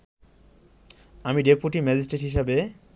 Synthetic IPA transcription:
amiɖepuʈimɛd͡ʑisʈeʈɦiʃ̬abe

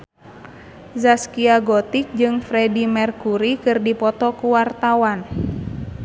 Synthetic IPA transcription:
zaskiaɡɔt̪ik̚d͡ʒɨŋfɾɛdimɛrkuɾikɨrdipɔt̪ɔkuwart̪awan

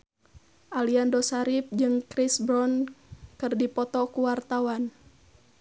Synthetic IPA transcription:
ʔaliandɔsaɾip̚d͡ʒɨŋkɾisbɾɔnkɨrdipɔt̪ɔkuwart̪awan

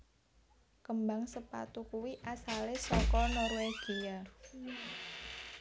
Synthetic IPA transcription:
kəmbaŋsəpa̰t̪ukuwiʔasalesɔkɔnɔrweɡ̥ia

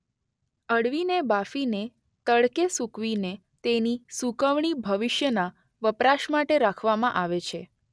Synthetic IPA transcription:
əɽʋinebafine | t̪əɭkesukʋine | t̪enisukəʋɳ̃ibʱəʋɪʃjəna | ʋəpɾaʃmaʈeɾakʰʋamãʔaʋet͡ʃʰe

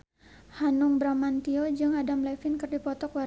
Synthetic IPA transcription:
hanʊŋbɾamant̪iod͡ʒɨŋadamlafɪnkɨrdipɔt̪ɔkwa

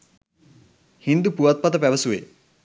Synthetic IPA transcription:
hind̪upuʋat̪̚pat̪əpæʋəsuʋe

